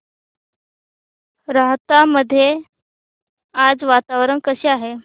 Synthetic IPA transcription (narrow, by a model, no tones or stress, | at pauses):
ɾaɦt̪aməd̪ʱːje | ad͡zʋat̪aʋɾənkəɕeaɦe